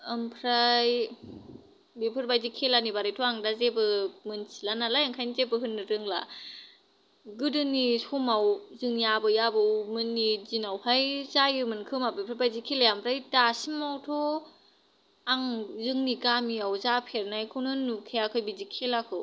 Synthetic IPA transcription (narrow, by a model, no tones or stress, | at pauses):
ɯmpʰɾaj | bepʰɯɾbajzikʰelanibaɾɯjtʰɔaŋdazebɯmɯnsilanalajaŋkʰajnizebɯɦɯnːɯɾɯŋla̰ | ɡɯdɯnisɔmawzɯŋjabɯjabawmɯnːizinawhajzajɯmɯnkʰɯmabepʰɯɾbajzikʰelajampʰɾajtasimawtʰɔ | aŋzɯŋnikamiawzapʰeɾnajkʰɯnɯnːukʰejakʰɯjbizikʰelakʰɯw